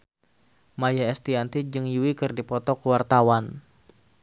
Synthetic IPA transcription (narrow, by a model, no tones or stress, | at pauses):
majaɛst̪iant̪id͡ʒɨŋjuwikɨrdipɔt̪ɔkəwart̪awan